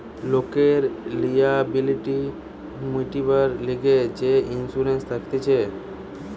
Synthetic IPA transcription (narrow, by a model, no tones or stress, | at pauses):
lokeɾlijabiliʈi | muʈipəɾliɡed͡ʒeinsuɾenst̪ʰəkt̪et͡ʃʰe